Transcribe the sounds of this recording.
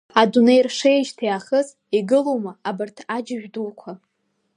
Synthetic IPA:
adune̞jrʂejʒtʰiaχəz | iɡɨlowmaabɨrtʰad͡ʒɪʒᶣdulkʷʰa

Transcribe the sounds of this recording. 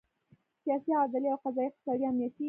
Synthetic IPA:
sijɑsiɑd̪ɪliawqazɑjiq̚t̪ɪ̥sɑd̪iamniat̪i

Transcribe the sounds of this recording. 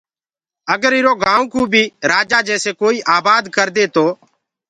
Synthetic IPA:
əɡəɾɪɾoːɡãːũkũːbʱiːɾaːd͡ʒaːd͡ʒɛːseːkoːiːʔaːbaːd̪kəɾd̪eːt̪oː

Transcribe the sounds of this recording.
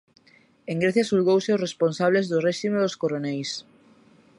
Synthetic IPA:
eŋɡɾeθjasulɣowseoresponsaβ̞lezðoreʃimeðoskoɾonɛjs

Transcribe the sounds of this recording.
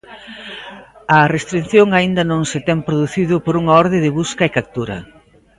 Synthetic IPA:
ɐrest̪ɾin̟θjoŋaind̪ɐnõŋsɪt̪ɛmpɾoðuθiðʊpoɾuŋɐɔɾðɪðɪβuskɐekak̚t̪uɾɐ̰

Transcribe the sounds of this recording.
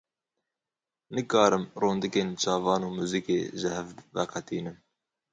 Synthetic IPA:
nɨkɑːɾɨmroːnd̪ɨkeːnt͡ʃʰɑːvɑːnuːmuːzikḛːʒɨhɛvvɛ̰qʰɛt̪iːnɨm

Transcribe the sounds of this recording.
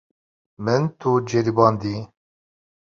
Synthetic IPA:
mɨnt̪ʰud͡ʒeɾibɑːnd̪i

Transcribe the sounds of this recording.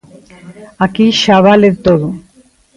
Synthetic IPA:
akiʃaβaleɾt̪oɾu

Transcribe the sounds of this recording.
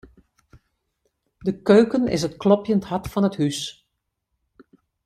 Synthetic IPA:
dəkøːkənɪ̰s̬ətklɔpjənthɑtfɑnəthys

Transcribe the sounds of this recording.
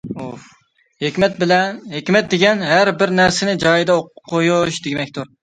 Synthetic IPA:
u | hekʲmɛt̪̚bɪlɛnɦekʲmɛt̪̚d̪eɡʲɛnɦæɾbɪɾnæɾsɪnɪd͡ʒɑːjid̪ɛoqʰːojuʃd̪eɡʲmɛkʲt̪ʰuɾ

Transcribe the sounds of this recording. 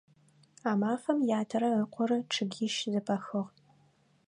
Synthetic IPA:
aːmaːfɐmjaːtʰɐɾɐəqʷɔɾɐʈ͡ʂʰɨɡʲiːʃzɨpʰɐxɨʁ

